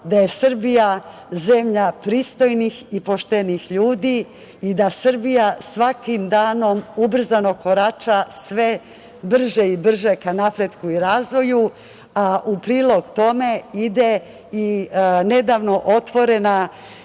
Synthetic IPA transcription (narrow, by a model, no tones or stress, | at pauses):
d̪aje̞sɨr̩bija | zemʎapɾiːst̪o̞jnixipo̞ʃt̪enixʎuːd̪iː | d̪asɨrbijasʋakimd̪aːno̞mubr̩zano̞ko̞ɾat͡ʃasʋe̞ | br̩ʒeibr̩ʒekanapɾed̪kuiɾaːzʋo̞ju | aʔupɾiːlˠo̞ɡt̪o̞me̞id̪e | ine̞d̪aʋno̞ʔo̞t̪ʋo̞ɾe̞na